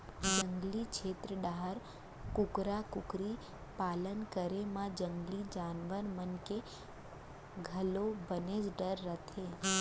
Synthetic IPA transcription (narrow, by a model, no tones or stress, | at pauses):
d͡ʒə̃ŋɡlikt͡ʃʰeːt̪ɾəɖaɦəɾ | kʊkɾakʊkɾi | paːlənkəɾemãd͡ʒə̃ŋɡlid͡ʒaːnʋəɾmənke | ɡʱəlobəned͡ʒɖəɾːət̪ʰe